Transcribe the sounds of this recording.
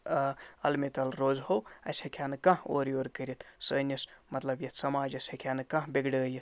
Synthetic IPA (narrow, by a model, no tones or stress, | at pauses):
ɐlmet̪ɐlɾoːzɦowɐ̰sekʰaːnɨkɐ̃ɦoːɾioːɾkəɾʲit̪səːnismɐt̪lɐbjɐt̪sɐmaːd͡ʒɐsekʰjaːnɨkɐ̃ɦbeɡɽəːjit̪̚ʰ